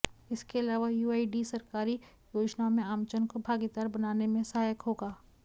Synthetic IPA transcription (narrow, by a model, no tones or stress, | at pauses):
ɪskeɐlaːʋajuːaːiɖisɐɾkaːɾi | joːd͡ʒnamẽaːmt͡ʃənkobʱaːɡit̪aːɾbɐnaːnemẽsɐɦaːjəkɦoːɡaː